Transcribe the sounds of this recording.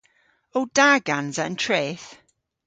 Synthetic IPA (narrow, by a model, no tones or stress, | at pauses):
owd̥aːɡanzəə̰ntʰɹeːθ